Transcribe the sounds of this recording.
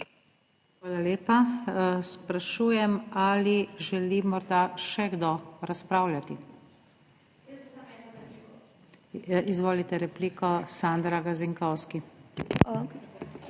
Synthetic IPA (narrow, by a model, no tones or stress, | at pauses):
xʋaːlaleːpaspɾaʃuːjɛmaliʒɛlimɔɾd̪aʃɛɡd̪ɔɾaspɾaːwljat̪i | izʋoːlit̪ɛɾɛpliːkɔsand̪ɾaɡaziŋkɔwski